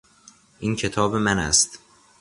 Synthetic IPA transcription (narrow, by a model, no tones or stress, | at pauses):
ʔiːncʰe̞t̪ʰɒːbemænæ̰st̪